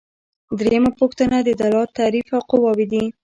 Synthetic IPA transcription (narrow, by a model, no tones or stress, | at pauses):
d̪ɾejəmapoxt̪ənad̪əd̪alɑt̪ːaɾifaqʊwɑwid̪i